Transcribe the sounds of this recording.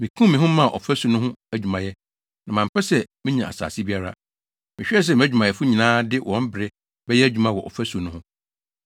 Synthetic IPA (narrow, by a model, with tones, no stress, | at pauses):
mĩ˨kʰũ˦mĩ˨ɦʊ̃˦mã˦˨ʔɔ̰˨fæ˦su˨nʊ̃˦ɦʊ̃˦æ˦d͡ʑᶣu˨mã˨jɛ˦ | nã˨mã˨m̩˨pʰɛ˦sɛ˦mĩ˦ɲã˨a̰˨sa̰ː˨sɪ˦bi˦a˦ɾa̰˦ | mɪ̃˨ɕᶣɛ˦˨s̬ɛ˨m̃˨˦æ˦d͡ʑu˨mã˨jɛ˨fʊ˦ɲĩ˨nãː˦dɪ˦wʔɔ̃˦m˦bɪ˨ɾɪ˦ | bɛ˦jɛ˦æ˦d͡ʑᶣu˨mã˦wɔ˨ʔɔ̰˨fæ˦su˨nʊ̃˦hʊ̃˦